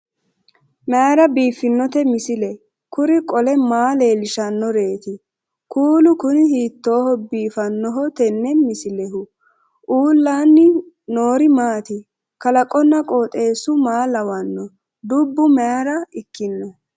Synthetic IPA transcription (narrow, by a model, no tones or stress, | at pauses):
mɛaɾɐbiːfːɪnːɔt̪ɛmɪsɪlɛ | kʊɾɪkʼɔlɛmaːle̞ːlɪʃɐnːɔɾe̞ːt̪ɪ | kuːlʊkʊnɪhiːt̪ːo̞ːhɔbiːfɐnːɔɦɔt̪ɛnːɛmɪsɪlɛɦʊ | ʔuːlːaːnːɪ | no̞ːɾɪmaːt̪ɪ | kɐlɐkʼːɔnːɐkʼoːt̪ʼe̞ːsʊmaːlɐwɐnːɔ | d̪ʊbːʊmɛaɾɐɪkːɪnːɔ